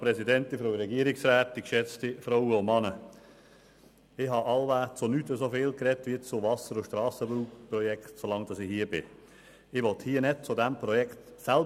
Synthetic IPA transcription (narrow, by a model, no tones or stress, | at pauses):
pɾɛsidɛntɪfɾoʊɾɛɡiəɾɪksɾæːt̚dikʃɛt͡stifɾowəʊmɑnə | ɪɦɑʔɑlʋæːt͡sonytəsofɪːlkɾɛtʋiət͡sʊʋɑsəɾʊʃtɾɑːsəbɾuːkprɔjɛktsolɑŋd̥ɑsɪhiːəbɪ̰ | ɪʋɔthiːənɛd̚t͡sʊdæmpɾɔjɛkt | sælb